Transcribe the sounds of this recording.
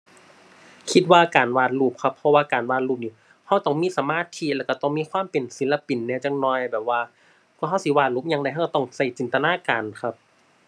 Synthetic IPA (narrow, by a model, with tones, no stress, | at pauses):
kʰi˧˥t̪̚waː˧kaː˨˩nwaː˧˩t̪̚luː˧˩p̚kʰa˧˥pʰːɔ˧waː˧kaː˨˩nwaː˧˩t̪̚luː˧˩p̚niː˧˩ | ha˧˩wt̪ɔ˧˩ŋmiː˧˥˨sa˨˧˦maː˧˥˨t̪ʰiː˧˥˨lɛ˧˩wka˧˩t̪ɔ˧˩ŋmiː˧˥˨kʰwaː˧˥˨mpe˨nsi˨˦la˧pi˨˩nːɛː˧˩˨t͡ɕa˧ŋnɔː˧˩jbɛː˨˩p̚waː˧ | kʰu˧˨hɦa˧˩wsi˧˦waː˧˩luː˧˥˩p̚ɲaː˧ŋnda˧˨jɦa˧˨˩kːa˧˩t̪ɔ˧˩ŋsa˧˩jt͡ɕi˨˩nt̪a˧naː˧˥˨kaː˨˩nkʰa˧p̚